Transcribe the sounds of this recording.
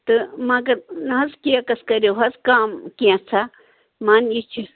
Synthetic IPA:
t̪ɨmãɡɐnɐɦɐzkiãkɐskɐɾʲjoɦɐzkaːmkijãt͡sʰa | maːnit͡ʃʰi

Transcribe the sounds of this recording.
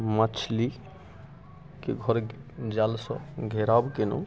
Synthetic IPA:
mət͡ʃʰli | keɡʱɔɾd͡ʒalsɔ̃ɡʱeɾabkeno̰

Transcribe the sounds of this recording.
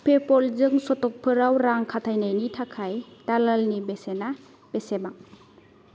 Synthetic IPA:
pʰepɔlzɯŋsɔtɔk̚pʰɯɾawɾaŋkʰatʰajnajnitʰakʰajtalalnibesena | b̥esebaŋ

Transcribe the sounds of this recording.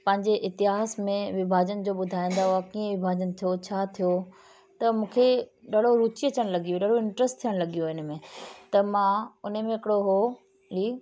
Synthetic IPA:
pɐ̃ɦɪ̃ɲd͡ʑeʔɪt̪ɪɦaːsmẽʋɪbʱaːd͡ʑənd͡ʑoːɓʊd̪ʱaːĩːn̆d̪aɦʊakiːə̃ʋɪbʱaːd͡ʑənt̪ʰijot͡ɕʰaːt̪ʰijo | t̪ɐmũːkʰeɗɐɽ̤oɾuːt͡ɕiɐt͡ɕəɽ̃lɐɡijoɗɐɽ̤oɪ̃ɳʈɾəsʈt̪ʰːijəɽ̃lɐɠijoɪnmẽt̪ɐmãʊnmẽɪkɪɽoɦo | liː

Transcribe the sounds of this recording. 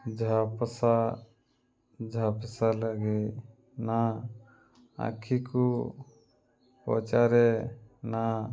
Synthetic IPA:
d͡ʒʱapəsa | d͡ʒʱapəsaləɡi | na | a̰kʰiku | pɔ̰t͡ʃaɾena

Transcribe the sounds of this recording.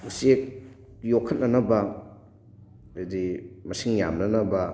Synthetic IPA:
usek̚ | jokʰːɐt̚nɐnɐbɐ | edimɐsiŋja̰mnɐnɐbɐ

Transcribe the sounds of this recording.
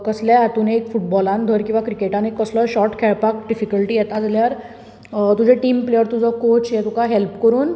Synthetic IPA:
kəsljat̪uneekfuʈbɔlãnd̪ʱəɾkĩw̃ʋakɾikeʈãnekːəslɔɕɔʈkʰɛɭpak̚ɖifikəlʈiːjɛt̪ad͡zljaɾ | t̪ud͡ʑʱeʈiːmplejəɾt̪ud͡zʱɔkot͡ɕjɛt̪ukaɦɛlpkəɾuːn

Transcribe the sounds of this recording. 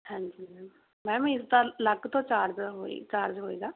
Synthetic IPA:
hɛ̃ːɲd͡ʒi | mɛ̃ːm̃ːɪsd̪aːləkt̪õːt͡ʃaːɾd͡ʒɦoːḭːt͡ʃaːɾd͡ʒɦoːḭːɡaː

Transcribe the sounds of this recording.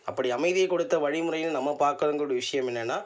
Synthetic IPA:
ɐpːɐɽiɐmɐɪðɪjɐkːɔɽɯt̪ːɐʋɐɻɪmɯɾɐjɪnːɯnɐmːɐpaːɾkɐðɐŋɡɐɾɯɽɐʋɪʂɐjɐmɛnːɛːnːaː

